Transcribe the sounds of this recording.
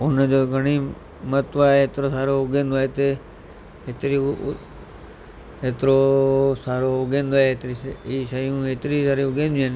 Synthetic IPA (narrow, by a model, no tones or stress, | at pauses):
ʊnd͡ʒoːɡʱəɽ̃iː | mət̪ʋaːeeːt̪ɾoːsaːɾoːʊɡẽːnd̪oːet̪e | et̪ɾi | ɦet̪ɾoːsaːɾoːʊɡẽːnd̪oet̪ɾiiːʃəjũːɦeːt̪ɾiːsaːɾiʊɡẽːnd̪iən